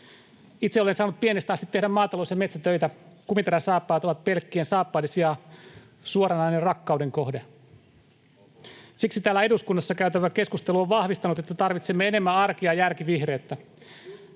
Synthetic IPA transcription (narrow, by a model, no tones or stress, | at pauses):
it̪seole̞nsɑːnut̪pienest̪ɑst̪it̪ːedæmɑːt̪ɑlosjɑme̞t̪sæt̪øjt̪ækumint̪eɾæsɑːpːɑjt̪oʋɑt̪̚pe̞lkːiensɑːpːɑːlesiɑ | suoɾɑnɑjnerrɑkːɑudeŋko̞hde | siksit̪æːlːæe̞duskunːɑsːɑkæyt̪æʋæke̞skust̪eluoʋʋɑhʋist̪ɑnut̪et̪ːæt̪ɑrʋit̪semːeene̞mːæɑrkiɑjærkiʋihre̞ːt̪ːæ